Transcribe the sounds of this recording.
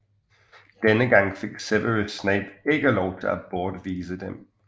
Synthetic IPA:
d̥enəɡɑ̈ŋ̰fe̝ɡ̥seʋəisneɪb̥e̝ɡ̥əlɒʊt͡sʰe̝lʔæb̥ɒːd̥ʋiːsəd̥em

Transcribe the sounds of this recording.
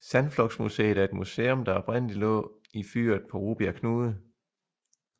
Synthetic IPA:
sænflɒ̽ɡ̥smusḛːðˠæɐe̝d̥musḛːɔ̽md̥ɑ̈ɒ̽b̥ʁɛn̰əlilɔ̰̽ː | ify̰ːɐðˠpʰɒ̽ʁuːb̥iɐkʰnuːð̩ˠ

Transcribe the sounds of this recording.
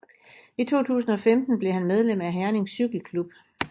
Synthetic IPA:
it͡sʰo̝̰ːt͡sʰṵːsn̩ɒ̽femd̥n̩b̥le̝hænmeð̞ˠlem̰æɦæɐne̝ŋsːyɡ̥l̩kʰlub̥̚

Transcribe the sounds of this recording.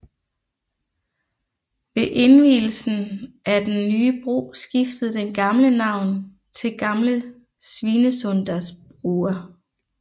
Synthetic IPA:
ʋe̝ʔe̝nʋḭːl̩sn̩ʔæd̥enːyːəb̥ʁo̝̰ːsɡ̥ifd̥əð̩ˠd̥enɡ̥ɑ̈mlənɑ̈ʊ̰n | t͡sʰe̝lɡ̥ɑ̈mlə | sʋiːnəsɔnd̥ɐsb̥ʁuːɐ

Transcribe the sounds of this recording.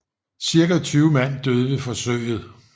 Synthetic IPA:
siɐɡ̥æt͡sʰyːʊmæn̰d̥øð̞ˠəʋe̝fɒ̽søɪ̰ð̞̩ˠ

